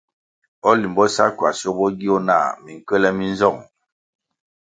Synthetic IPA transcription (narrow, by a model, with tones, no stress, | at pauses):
ɔ˦li˨mbɔ˦sa˦kwa˨so˦bɔ˦ɡi˦o˦na̰˦˨mi˨ŋ̩˨kə˦lɛ˦mi˦n˦zɔ˦˨ŋ